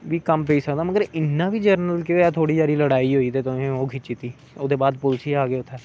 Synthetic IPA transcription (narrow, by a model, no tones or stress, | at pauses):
ʋiːkəmpeiːsəkd̪aːməɡəɾɪnːãːʋiːd͡ʒəɾnəlkɪʋeːt̪ʰoːɽiːd͡ʒaːɾiːləɽaːiːɦoːiːt̪eːt̪ʊmẽːoːkʰɪt͡ʃit̪iː | oːd̪eːbaːd̪pʊlsʰiːaːɡeːʊt̪ʰːeː